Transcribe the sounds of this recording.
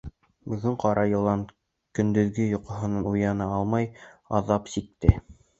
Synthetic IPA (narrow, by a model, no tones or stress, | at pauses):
bɵ̆ɡɵɴqɑɾɑjɤ̆lˠɑn | kɵ̆nd̪ɵ̆ðɡɘjŏqŏɦɤ̆nɑnujɑnɑɑlˠmɑjɑ̰ðɑpsik̚t̪ɘ